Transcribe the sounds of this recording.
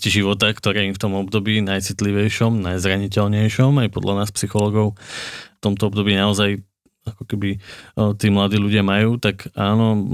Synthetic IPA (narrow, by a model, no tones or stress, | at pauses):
ciʒiʋɔt̪akt̪ɔɾɛːimft̪ɔmɔbd̪ɔbiːnajt͡sit̪liʋɛjʃɔmnajzɾaɲicɛlɲɛjʃɔmajpɔd̪lʔanaːspsixɔlɔːɡɔʊft̪ɔmt̪ɔɔbd̪ɔbiːnaɔzaj | akɔ̥kɛbit̪iːmlad̪iːluɟɪamajuːt̪akaːnɔ